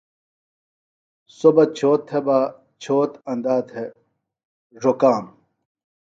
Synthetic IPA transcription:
sobɐt͡ɕʰoːt̪ʰːeba | t͡ɕʰoːt̪ɐnd̪aːt̪he | ʐokaːm

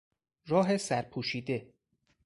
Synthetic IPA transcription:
rɒːɦe̞sæɾpʰuːʃiːd̪e̞

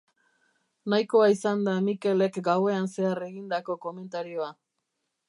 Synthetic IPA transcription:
najko̞aisand̪amike̞le̞kɡawe̞anse̞are̞ɣind̪ako̞ko̞me̞nt̪aɾio̞a

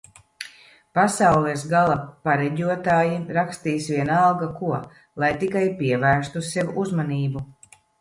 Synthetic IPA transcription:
pasawlˠɛsɡalˠapaɾɛɟʲuɔt̪aːjiɾakst̪iːsviɛnalˠɡakuɔ | lˠajt̪ikajpiɛvæːɾst̪usɛvuzmaniːbu

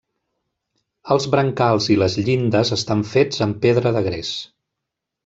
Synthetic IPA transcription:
əlˠzβɾəŋkalˠziləzʎind̪əzəst̪aɱfed͡zəmpeðɾəðəɣɾes

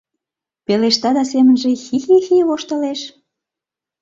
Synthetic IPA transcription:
peleʃt̪ɑd̪ɑsemənʒĕxixixiβoʃt̪ə̆leʃ

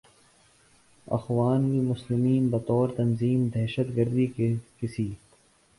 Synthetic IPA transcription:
ɐ̰xwaːnkimʊslɪmiːnbɐt̪ɔːɾt̪ɐnziːmd̪ɛɦʃət̪ɡəɾd̪ikekɪsiː

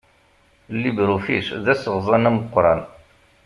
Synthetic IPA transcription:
lːibɾufisðæsəʁzˤɑnæməqːɾˤɑ̰n

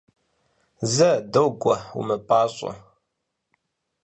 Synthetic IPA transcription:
zɐdowɡʷɐṵmɨpʼaːɕʷʼɐ̰

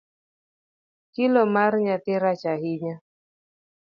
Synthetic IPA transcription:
kilɔmaɾɲat̪ɪɾat͡ʃahiɲa

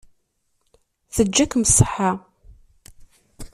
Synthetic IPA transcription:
θəd͡ʒːækməsˤːəħːa

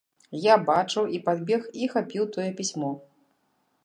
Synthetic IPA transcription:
jabat͡ʂɨwipad̪bʲɛxixapʲiwt̪ɔjɛpʲisʲmɔ

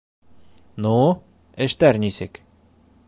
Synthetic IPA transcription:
nu | ɘ̆ʃt̪æɾnisɘk

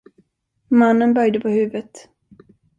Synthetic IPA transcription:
manːənbœɾjd̪əpʰɔhʉ̟ːvət̪

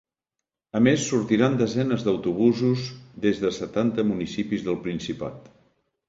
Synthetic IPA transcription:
əmesːuɾt̪iɾand̪əzɛnəzðəwt̪uβ̞uzuzðezðəsət̪ant̪əmunisipizðəlˠpɾinsipa̰t̪

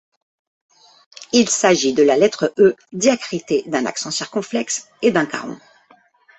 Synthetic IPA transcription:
ilsaʒid̪əlalɛt̪χəʔød̪jakχit̪ed̪ɛ̃na̰ksɑ̃siʁkɔ̃plɛks | ed̪ɛ̃ka̰ʁɔ̰̃

